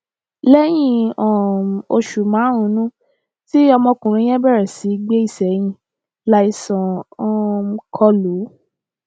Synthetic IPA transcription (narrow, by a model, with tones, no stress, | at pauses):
lɛ˦j̃ĩ˧˨ɔ̃˨o˧ʃu˨mãː˨˦ɾ̃ũ˨˦nũ˦ | ti˦ɔ˧mɔ̃˧kũ˨ɾ̃ũ˧˦ɛ̃˦bɛ˦˨ɾɛ˨si˨˦ɡ͡be˦i˦˨sɛ˨j̃ĩ˧ | la˦i˧sɔ̃˨ɔ̃˦˧kʰɔ˧lu˨˦